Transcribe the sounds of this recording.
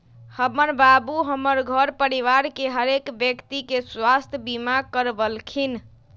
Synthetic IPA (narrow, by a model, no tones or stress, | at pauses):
həməɾbabuɦəməɾɡʱəɾpəɾiʋaɾkeɦəɾekbjəkt̪ikeswast̪ʰjəbimakəɾbəlkʰin